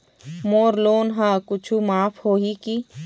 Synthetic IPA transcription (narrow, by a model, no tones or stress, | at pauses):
moːɾloːnɦãːkʊt͡ʃʰumaːpʰhoːɦiki